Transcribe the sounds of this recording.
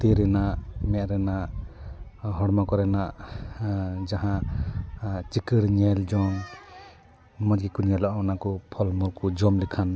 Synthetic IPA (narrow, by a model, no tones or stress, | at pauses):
t̪eɾɛnaʔmɛʔɾɛnaʔ | ɦɔɽmakɔɾɛnaʔ | d͡ʒaɦã | t͡ʃikiɽɲɛld͡ʒɔn | mɔd͡ʒɡikuɲɛlɔʔɔnakɔpʰɔlmuɾkɔd͡ʒɔmlikʰan